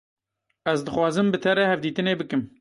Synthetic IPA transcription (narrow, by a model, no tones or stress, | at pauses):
ɛzd̪ɨxwɑːzɨmbɨt̪ʰɛɾɛhɛvd̪iːt̪ɨneːbɨkɨm